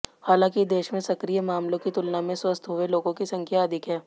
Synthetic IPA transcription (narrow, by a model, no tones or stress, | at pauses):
haːlãːkid̪eːʃmẽsɐkɾijəmaːmlõkit̪ʊlnamẽswɐst̪ʰɦoeloːɡõkisɐ̃ŋkʰjaɐd̪ʱɪkɦɛː